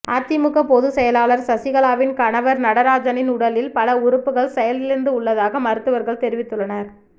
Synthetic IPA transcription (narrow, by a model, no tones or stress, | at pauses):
aːt̪ɪmɯɣɐpoðɯsɛjɐlaːlɐɾsɐsɪɣɐɭaːʋɪnkɐɳɐʋɐɾnɐɽɐɾaːd͡ʒɐnɪnʊɽɐlɪlpɐlɐʊɾʊpːɯɣɐɭsɛjɐlɪɾɯnd̪ɯʊɭːɐðaːɣɐmɐɾɯt̪ːɯʋɐɾɣɐɭt̪ɛɾɪʋɪt̪ːɯɭːɐnɐɾ